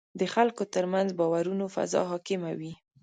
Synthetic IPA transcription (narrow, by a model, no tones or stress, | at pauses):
d̪əxalkot̪əɾmanzbɑwaɾunofa̰zɑ̰ɦɑkɪmawi